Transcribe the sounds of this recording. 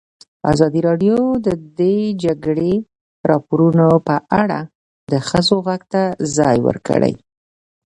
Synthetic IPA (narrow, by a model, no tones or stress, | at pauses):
a̰zɑd̪iɾɑɖjod̪əd̪ed͡ʒaɡɽe | ɾɑpoɾunopəʔaɽa | d̪əxəzoɣaɡt̪azɑjwə̰ɾkə̰ɽə̰j